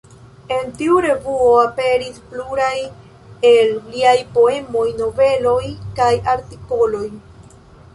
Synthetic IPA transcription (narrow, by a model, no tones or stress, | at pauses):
e̞ntiuɾe̞vuoape̞ɾispluɾaj | elliajpo̞e̞mo̞jno̞ve̞lo̞jkajaɾtiko̞lo̞j